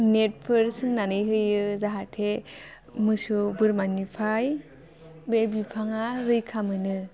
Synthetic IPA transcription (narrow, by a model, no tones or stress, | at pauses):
net̚pʰɯɾsɯŋnanɯjɦɯjɯzaɦatʰe | mɯsubɯɾmanipʰaj | bebipʰaŋaɾɯjkʰamɯnɯ